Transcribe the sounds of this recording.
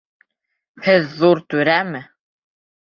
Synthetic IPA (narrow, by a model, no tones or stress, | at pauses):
hɘðːuɾt̪ʉɾæmɘ